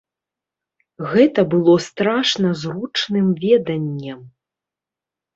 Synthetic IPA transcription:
ɣɛt̪ɐbɨlˠɔst̪ɾaʂnɐzrut͡ʂnɨmvʲɛd̪ɐnʲːɐm

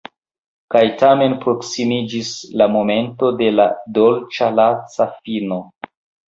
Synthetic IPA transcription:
kajtame̞npɾo̞ksimid͡ʒislamo̞me̞nto̞de̞la̰do̞lt͡ʃalasafino̞

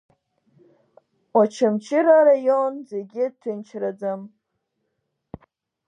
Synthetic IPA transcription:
wat͡ʃʰamt͡ʃʰɪɾaɾajonzeɡʲɪtʰɨnt͡ʃʰrad͡zam

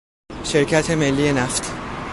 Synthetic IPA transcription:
ʃe̞ɾcʰæt̪ʰe̞me̞lːiːje̞næft̪ʰ

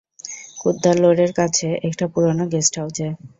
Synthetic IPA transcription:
kud̪ːaɾloɽeɾkat͡ɕʰeekʈapuɾonoɡesʈawd͡ʑae

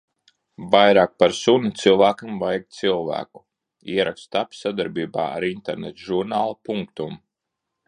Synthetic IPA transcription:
vajɾaːk̚paɾsunit̪silˠvæːkamvajɡ̚t̪silˠvæ̰ːku̥ | ḭɛɾakst̪apʲsad̪aɾbiːba̰ːa̰ɾint̪eɾnɛt̪ʒuɾnaːlˠapuŋkt̪um

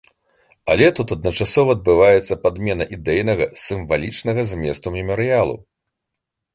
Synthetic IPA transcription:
a̰lʲɛt̪ut̪ɐd̪̚nɐt͡ʂasɔvɐːd̪̚bɨvajɛt̪sːɐpad̪mʲɛnɐʔid̪ɛjnɐɣɐsʲɨɱvalʲit͡ʂnɐɣɐzʲmʲɛst̪umʲɛmɐɾɨjalˠṵ

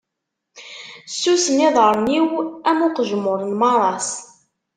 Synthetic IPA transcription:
sːusənɪðˤəɾˤniwæmʊqəʒəmːʊɾˤənmɑɾˤɑs

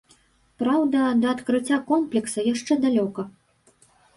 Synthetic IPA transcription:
pɾawd̪ɐd̪ɐːt̪kɾɨt͡sʲːakɔmplʲɛksɐjaʂt͡ʂɛd̪alʲɔkɐ

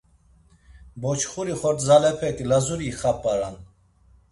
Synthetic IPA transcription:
bɔt͡ʃʰχuɾiχɔɾt̪ʰzalɛpʰɛt̪ʼilazuɾiχapʼaɾan

